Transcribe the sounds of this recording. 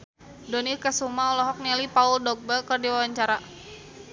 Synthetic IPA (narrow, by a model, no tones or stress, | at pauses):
dɔnikəsumaɔlɔɦɔk̚nɛlipauldɔk̚bəkɨrdiwawaɲt͡ʃaɾa